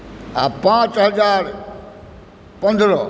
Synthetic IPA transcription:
a̰ːpãːt͡ɕɦɐzaːɾ | pə̃nd̪ɾɔː

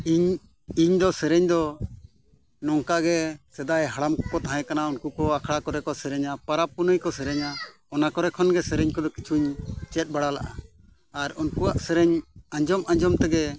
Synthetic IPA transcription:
iɲ | iɲd̪ɔsɛɾɛɲd̪ɔ | nɔŋkaɡɛsɛd̪ajɦaɽamkɔt̪aɦɛ̃kanaunkukɔakʰɽakɔɾɛkɔsɛɾɛɲapaɾapːunəjkɔsɛɾɛɲa | ɔnakɔɾɛkʰɔnɡɛsɛɾɛɲkɔd̪ɔkit͡ʃʰuɲt͡ʃɛt̪̚ˀbaɽalaʔaː | ɾunkuwaʔsɛɾɛɲaɲd͡ʒɔmʔãɲd͡ʒɔmt̪ɛɡɛ

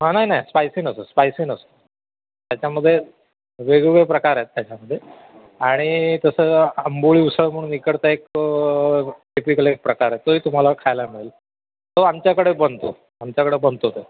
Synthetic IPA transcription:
ɦənaɦinaɦispajsiːnəsəspajsinəsə̥ | t̪jat͡ɕaməd̪ʱːje | ʋeɡuʋepɾəkaɾaet̪ːjat͡ɕaməd̪ʱːje | aɽ̃it̪əsəəmbuɭiːusəɭm̤əɽ̃unːikəɽt̪aek | kepikəlek̚pɾəkaɾat̪ːoiːt̪um̤alakʰajlamiɭel | t̪oamt͡ɕjakəɽebənt̪o̰ | amt͡ɕjakəɽebənt̪ot̪e

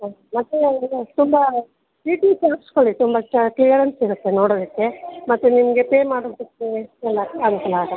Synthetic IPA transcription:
mɐt̪ːet̪umbɐ | ʈiːʈitɐɾɐskoɭit̪umbɐt͡ʃɐklijɐɾensiɾɐt̪ːenoːɽoːd̪ɐkːemɐt̪ːunimɐɡe̞peːmaːɽod̪ikːeɛlːɐaːɡut̪ɐla

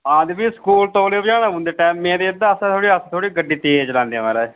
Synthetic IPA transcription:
aːd̪biːskuːlt̪õːleːbd͡ʒaːɽãːbʊ̃nd̪eːʈɛːmːẽːd̪eːɪd̪ãːsãːt̪ʰoːɽiːəsãːt̪ʰoːɽiːɡəɖːiːt̪eːd͡ʒlãːnd̪ẽãːmɛːɾaː

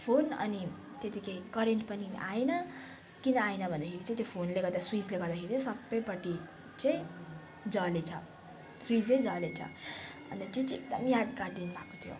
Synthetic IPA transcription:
pʰonʌ̰ni | t̪et̪ikʰekʌɾeɳʈpʌnia̰enʌ | kinʌajnʌbʱʌnd̪akʰeɾit͡saĩt̪jopʰonleɡʌrd̪aswid͡zleɡʌɾd̪akʰeɾit͡sʌ̃sʌbːʌjpʌʈi | t͡sʌj̃ | d͡zʌlet͡sʰʌ̰ | swid͡zled͡zʌlet͡sʰʌ̰ | ʌ̰nt̪ʌt̪it͡siek̚d̪ʌmijad̪kad̪inbʱakot̪ʰijo̰

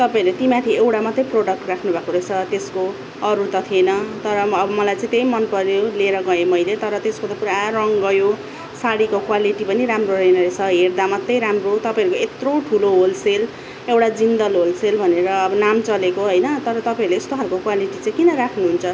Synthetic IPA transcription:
t̪ʌpaj̃ʌɾet̪imat̪ʰiewʈamʌt̪ːʌjproɽʌk̚ʈrakʰnubʱakoɾet͡sʰʌt̪esko | ʌɾut̪ʌt̪ʰienʌt̪ʌɾʌːbʌmʌlajt͡sãĩt̪ejmʌnpʌɾjoleɾʌɡʌemʌjlet̪ʌɾʌt̪eskot̪ʌpuɾarʌŋɡʌjo | saɽikokwaliʈipʌniɾamroɾejnʌɾet͡sʰʌɦerd̪amʌt̪ːʌjɾamrot̪ʌpaj̃ɦʌɾukoet̪rowʈʰuloɦolsel | ewʈad͡zind̪ʌlɦolselbʱʌneɾʌːbʌnamt͡sʌlekoɦojnʌt̪ʌɾʌt̪ʌpãĩɾleest̪oɦaɾukokwaliʈit͡sãĩkinʌɾakʰnuɦunt͡sʰʌ

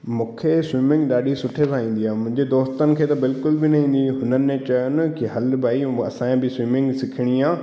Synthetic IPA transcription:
mũːkʰeswiːmɪ̃ŋɡɗaːɗisʊʈʰesʰaːĩːn̆d̪iɦãːmʊ̃ɦɪ̃ɲd͡ʑed̪oːst̪ənɪ̆kʰeːt̪ɐbɪlkʊlbɪnɐ̃ɦĩːn̆d̪iɦʊnənɪ̆mẽt͡ɕɐjʊn̆kɪɦɐlbaːiɐ̰sãːẽbɪswiːmɪ̃ŋɡsɪkʰɪɽ̃iãː

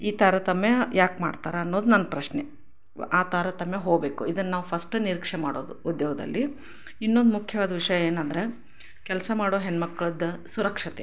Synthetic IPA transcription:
iːt̪ɐɾet̪ɐmːejaːkmaːɖt̪a̰ːɾaːnːo̞ːd̪unɐnːɐpɾɐʃne | aːt̪aɾɐt̪ɐmːeɦoːɡbe̞ːkuid̪ɐnːaːʋupʰɐsʈɨniɾikʂemaːɽo̰ːd̪uud̪joːɡɐd̪ɐ̰lːi | inːond̪umukʰjɐʋaːd̪ɐʋiʂɐjɐeːnɐnd̪ɐɾe̞ | kɛlsɐmaːɽo̞ːɦenːmɐkːɐɭɐd̪ɐsuɾɐkʂɐt̪ḛ

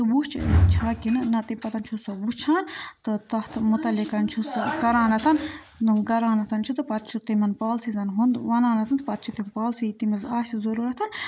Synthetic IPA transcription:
t̪ɨbut͡ʃʰt͡ʃʰaːkinɨnɐt̪impɐt̪ɐnt͡ʃʰusɐbust͡ʃʰaːnt̪ɨt̪ɐht̪ʰmut̪ɐlikɐnt͡ʃʰuskɐɾaːnɐt̪ʰɐn | nunɡɐɾaːnɐt̪ɐnt͡ʃʰut̪ɨpɐt̪̚t͡ʃʰut̪imɐnpaːlsizɐnɦund̪ʋɐnaːnɐt̪ʰɐnt̪pɐt̪̚t͡ʃʰut̪ipaːlsit̪imɐzaːsʲizɐɾuːɾɐt̪ʰɐn

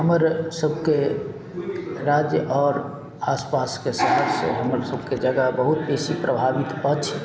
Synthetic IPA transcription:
ɦəməɾsəb̚ʱke | ɾaːd͡ʒjəʔɔːɾ | aːspaːskesaɦəɾsḛɦəməɾsəbʱked͡ʒəɡabəɦʊt̪beːsipɾəbʱaːʋit̪ət͡ʃʰ

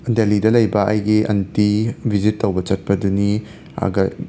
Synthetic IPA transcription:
ndelidɐlɐjbɐʔɐjɡiʔɐ̰ntibʱizitːɐwbɐt͡ʃɐt̚pɐduni | ɐ̰ɡɐ

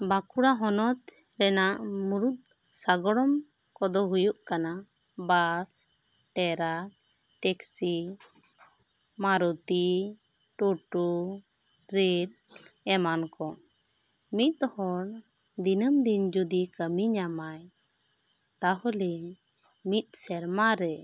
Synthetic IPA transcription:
bakuɽaɦɔnɔt̪ | ɾɛnaʔmuɾut̪̚ | saɡɔɽɔmkɔd̪ɔɦujuʔkana | bas | ʈɛɾa | ʈɛksi | maɾɔt̪i | ʈuʈu | ɾiɾ | ɛmankɔ | mit̪̚ˀɔhɔn | d̪inəmd̪ind͡ʒud̪ikəmiɲamaj | t̪aɦɔliɲ | mit̪̚ˀsɛɾmaɾɛ

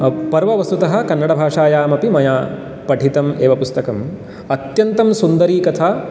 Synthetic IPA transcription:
pɐɾʋɐʋɐst̪ut̪ɐɦɐ̆kɐnːɐɽɐbʱaːʂaːjaːmɐpimɐjaː | pɐʈʰit̪ɐmeːʋɐpust̪ɐkɐm | ɐt̪jɐnt̪ɐmsund̪ɐɾiːkɐt̪ʰaː

